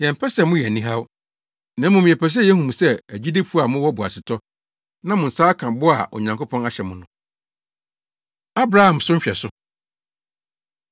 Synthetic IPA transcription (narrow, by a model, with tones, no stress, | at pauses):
jɛ̃˨m̩˨pʰɛ˦sɛ˦˨mʊ̃˦jɛ˨nĩ˦ɦa˦w | nã˨˦mʊ̃˨mĩ˨ɛ˨pɛ˨s̬ɛ˦jɛ˦hũ˨m˨sɛ˦æ˨d͡ʑi˦di˦fu˦a˨mʊ̃˦wɔ˦bʊ˨a̰˨sɪ˨tʰɔ˦ | nã˦mʊ̃˨n̩˨saː˦kʰã˨bʊ˦a˨ʔɔ̰˨ɲã˨ŋko˦pʰɔ̃˦na˦ɕɛ˨mʊ̃˨˦nʊ̃˦ | a˦bɾa˦hã˨msʊ˦m̩˦ɕᶣɛ̰˨sʊ˦